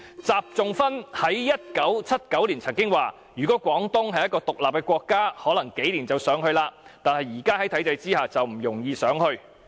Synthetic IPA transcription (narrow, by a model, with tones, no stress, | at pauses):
t͡saː˨p̚t͡sʊ˨ŋfɐ˥nhɐ˨˥jjɐ˥t̚kɐ˨˥wt͡sʰɐ˥t̚kɐ˨˥wliː˨˩nt͡sʰɐ˨˩ŋkɪ˥ŋwaː˨ | jyː˨˩kɔ˨˥kʷɔː˨˥ŋt̪ʊ˥ŋɦɐ˨jːɐ˥t̚kɔː˧t̪ʊ˨k̚laː˨p̚kɛː˧kʷɔː˧kːaː˥hɔː˨˥lɐ˨˩ŋke˨˥jliː˨˩nt͡sɐ˨˩wsœː˨˥ŋɦɵ˧ɥlaː˧t̪aː˨nhɐ˨jiː˨˩kaː˥ɦɐ˨˥jt̪ʰɐ˨˥jt͡sɐ˧jt͡siː˥haː˨t͡sɐ˨wm̩˨˩jʊ˨˩ŋjiː˧sœː˨˥ŋɦɵ˧ɥ